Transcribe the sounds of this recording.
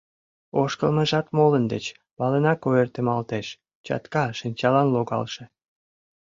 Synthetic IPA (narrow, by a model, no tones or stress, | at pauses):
oʃkəlmə̆ʒɑt̪molənd̪ḛt͡ɕ | βɑlenɑkoert̪emɑlt̪eʃ | t͡ɕɑ̰t̪kɑʃinʲt͡ɕɑlɑnloɣɑ̰lʃĕ